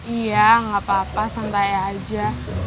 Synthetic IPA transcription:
ijaŋapapasant̪ajad͡ʒa

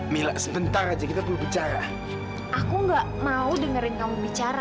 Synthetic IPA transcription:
milaʔsəbənt̪aɾad͡ʒakit̪apəlubit͡ʃaɾa | ʔakuŋɡaʔmaudəŋəɾɪnkamubit͡ʃaɾa

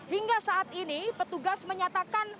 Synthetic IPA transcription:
hiŋɡasaʔat̪̚inipət̪uɡasməɲat̪akan

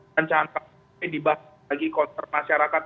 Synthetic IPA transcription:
aɲt͡ʃaŋanka | jdiba | aɡikɔnt̪ərmaʃaɾakat̪

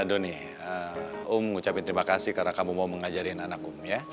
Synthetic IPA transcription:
adoni | əumŋut͡ʃapint̪əɾimakasihkarənakamumauməŋad͡ʒaɾinanakumja

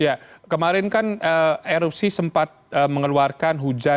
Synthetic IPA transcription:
jakəmaɾɪnkanəeɾup̚sisəmpat̪̚əːməŋəluarkanɦud͡ʒa

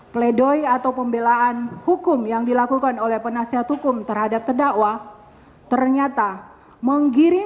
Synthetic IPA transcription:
pledoiat̪awpəmbelaʔanhukʊmjaŋdilakukanolɛhpənasiɦat̪hukʊmt̪ərhadap̚t̪ərdaʔwa | t̪ərɲat̪a | məŋɡiɾɪ

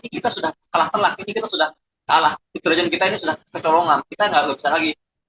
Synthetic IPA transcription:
nikit̪asudahkalaht̪əlak̚inikit̪asudah | kalahit̪ələd͡ʒɛnkit̪ainisudahkət͡ʃɔloŋankit̪aŋɡaʔɡabisalaɡi

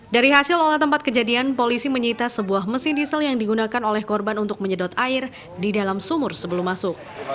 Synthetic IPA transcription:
daɾiɦasɪlolat̪əmpat̪̚kəd͡ʒadianpolisiməɲəit̪asəbuahməsɪndisəljaŋdiɡunakanolɛhkɔrbanunt̪ʊk̚məɲədɔt̪aɪr | didalamsumʊrsəbəlumːasʊk̚

